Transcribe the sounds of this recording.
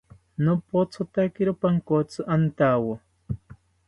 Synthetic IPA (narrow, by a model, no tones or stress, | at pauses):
nopot͡sʰʊt̪akiɾʊpaŋkot͡sʊʔant̪awo